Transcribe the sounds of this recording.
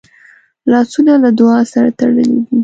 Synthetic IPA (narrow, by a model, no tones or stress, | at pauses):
lɑsunalad̪ʊɑsaɾat̪aɽəled̪i